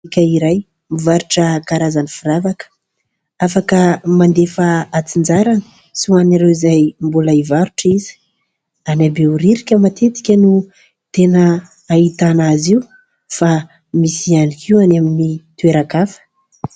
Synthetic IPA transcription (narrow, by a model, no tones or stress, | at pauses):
ikʲəiɾaj | mivaɾuʈ͡ʂəkaɾazanifiɾavakə̥ | afakəmand̪efaat͡sind͡ʒaɾani̥ | suanaɾewizajmbulaivaɾuʈ͡ʂizi̥ | anabeuɾiɾikʲəmat̪ʰet̪i̥kʲənu | t̪enəː | it̪anaziu | fa | misianikʰiwanaminit̪ueɾakafə̥